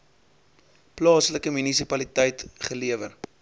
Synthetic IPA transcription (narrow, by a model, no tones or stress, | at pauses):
plɑːsləkəmynisipɐlitəjtχəliəvər